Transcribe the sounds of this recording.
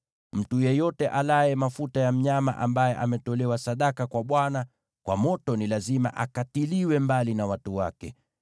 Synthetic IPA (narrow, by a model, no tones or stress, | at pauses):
m̩tujɛjɔtɛʔalajɛmafutajam̩ɲama̰ʔambajɛʔamɛtɔlɛwasaɗakakwaɓwana | kwa̰mɔtɔnilazima̰ʔakatiliwɛmbalinawatuwakɛ̰